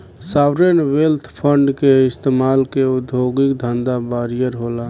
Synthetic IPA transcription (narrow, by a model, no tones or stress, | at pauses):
sawɾenwelt̪ʰpʰəɳɖkeɪst̪emalkeud̪ʱjoɡikd̪ʱənd̪abaɾijəɾɦola